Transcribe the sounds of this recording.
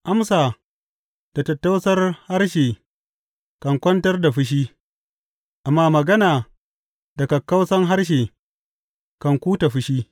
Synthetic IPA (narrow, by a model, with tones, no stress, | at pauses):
ʔa˦msaː˨ | d̥a˨tɐ˨tːa˦wsɐ˦rha˦rʃeː˨ | kɐ˨ŋkʷɐ˦ntɐ˦rda˨ɸɪ˦ʃ̬iː˦ | ʔa˨mːaː˦mɐ˨ɡɐ˦naː˨ | dɐ˨kɐ˨kːɐ˦wsɐ˦ŋɦa˦rʃ̬eː˨ | kɐ˨ŋkʷuː˦ta˨ɸʊ˦ʃiː˦